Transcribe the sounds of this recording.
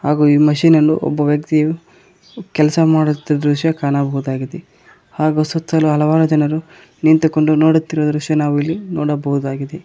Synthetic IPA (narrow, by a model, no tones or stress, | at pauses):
haːɡuːiːmɐʃiːnenːṵʔɔ̰bːɐʋjɐk̚t̪iju | kɛlɐsɐmaːɽut̪ːd̪ɾuʂjɐkaːnabɐɦud̪aːɡid̪e | haːɡusɐt̪ʰːɐluɦɐlɐʋaːɾɐd͡ʒɐnɐɾu | nint̪uko̞ɳɖunoːɽut̪ːiɾɔd̪ɐɾuʂjɐnaːʋuilːinoːɽɐbɐɦud̪aːɡid̪e